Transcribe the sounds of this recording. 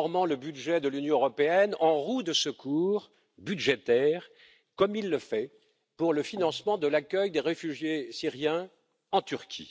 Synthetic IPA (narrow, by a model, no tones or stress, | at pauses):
ʁmɑ̃ləbyd̪ʒɛd̪əlynjɔ̃əʁɔpeɛnɑ̃ʁud̪əsəkʰuːʁ | byd̪ʒet̪ɛʁ | kɔmilːəfɛ | puʁləfinɑ̃smɑ̃d̪əlakʲœjd̪eʁefyʒjesiʁjɛ̃ | ɑ̃t̪yʁkʲʰḭ